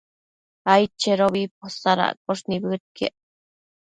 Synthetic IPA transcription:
ajt͡ʃeɾoβip̚osaɾa̰ʔk̚oʂnibɨt̪̚kḛʔ

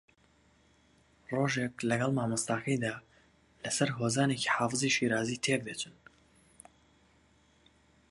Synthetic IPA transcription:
roːʒe̞klɐɡɐlˠmaːmɨst̪aːkʰɐjd̪aː | lɐsɐɾɦozaːne̞ci̥ħɑːfɨziʃiɾaːzit̪ʰek̚d̪et̪un

